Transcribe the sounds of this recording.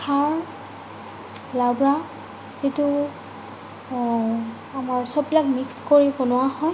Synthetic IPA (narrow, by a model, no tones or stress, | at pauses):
kʰaɹ | lawbɹa | zitu | amaɹsɔb̚bilakmikskoɹibonʊwahɔj